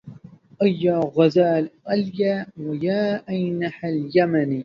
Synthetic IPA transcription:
ʔajːaːɣazaːlʔaljaːwajaːʔajnaħaljamaniː

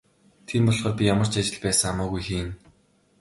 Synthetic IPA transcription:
t̪ʰimpɔɮχɔːrpʲijamə̆r̥t͡ɕat͡ɕɪ̆ɮpæːsə̆ŋamaːɣujxeːn

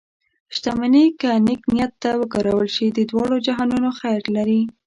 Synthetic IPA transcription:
ʃt̪amanikənɪknijat̪ːawəɡɑɾawəlʃid̪əd̪wɑɽod͡ʒaɦɑnunoxajɾlaɾi

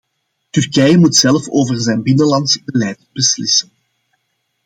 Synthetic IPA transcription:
tyrkɛjəmutsɛlfoːvərzɛjnbɪnəlɑntsəbəlɛjtbəslɪsən

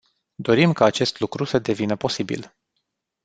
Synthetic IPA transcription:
d̪o̞ɾimkaːt͡ʃe̞st̪lukɾusəd̪e̞vinəpo̞sibḭl

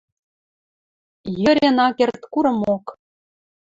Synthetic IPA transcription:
jɤ̆ɾʲĕnɑkert̪kuɾɤ̆mok

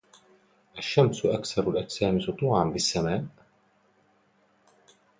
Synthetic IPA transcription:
ʔaʃːamsʔakθɑɾˤalʔatsaːmɪst̪ˤuːʕanbɪsːamaːʔ

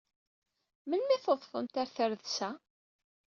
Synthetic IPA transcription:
mənmiθoðˤθˤə̰mt̪aɾθəɾðsæ

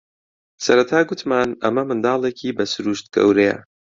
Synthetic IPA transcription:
sɐɾɐt̪ʰaːɡʊt̪maːnɐ̰mɐmɨnd̪ɑːlˠeːcʰiːbɐsɨɾuːʃt̪̚ɡ̥ɐ̰wɾejɐ̰

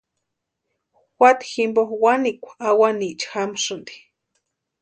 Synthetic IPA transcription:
wʷat̪ximboxwanikʷaawanit͡ʃxamʂɨnd̪i̥

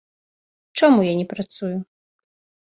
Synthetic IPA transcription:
t͡ʂamujanʲɛpɾat̪suju

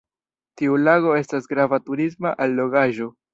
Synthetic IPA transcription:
tiulaɡo̞e̞stasɡɾavatuɾismaʔalːo̞ɡaʒo̞

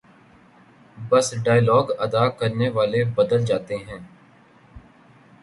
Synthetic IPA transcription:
bəsɖaːjlɔːɡəd̪aːkəɾneːʋaːlebəd̪əld͡ʒaːt̪eɦɛ̃ː

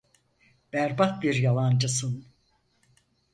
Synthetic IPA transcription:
b̥æɾbat̪̚biɾjalˠand͡ʒɯsɯn

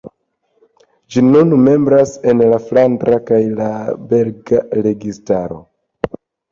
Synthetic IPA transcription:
d͡ʒinunme̞mbɾase̞nlaflantɾakajlabe̞lɡaɾe̞ɡistaɾo̞̰

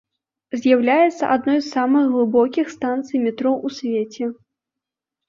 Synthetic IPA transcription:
zʲjawlʲajɛt̪sːɐ̰ʔad̪nɔjsːamɨxɣlˠɨbɔkʲixst̪ant̪sɨjmʲɛt̪ɾɔʔusʲvʲet͡sʲɛ

